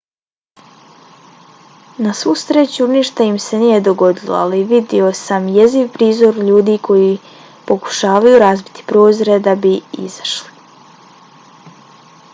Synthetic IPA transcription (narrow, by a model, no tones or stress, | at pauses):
nasust̪ɾet͡ɕuniːʃt̪aimse̞niːje̞d̪o̞ɡo̞d̪ilo̰a̰liʋid̪io̞samjeziʋpɾiːzo̞ɾʎuːd̪iːkʰo̞ji | po̞ku̥ʃaːʋajuɾazbit̪i̥pɾo̞ːzoɾe̞d̪abiḭz̥ḁʃli̥